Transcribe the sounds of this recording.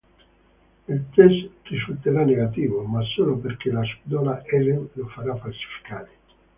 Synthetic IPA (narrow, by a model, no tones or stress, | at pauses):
ilt̪ɛsd̪isut̪eɾanːeɣat̪iːvomasːoːlopeɾk̟elaspid̪ɔlaʔɛlenlofaɾafalsi̥fi̥kaːɾe